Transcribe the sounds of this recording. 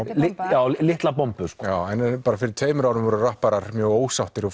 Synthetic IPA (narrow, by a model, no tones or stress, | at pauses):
ɪjaːwlɪht̪lapɔmpʏ̥skjaːwɛnpaːɾafɪɾɪɾ̥t̪ʰeːjmʏɾawnʏmvɔɾʏrahpaɾaɾ̥mjœːɣoːwsawht̪ɪɾɔ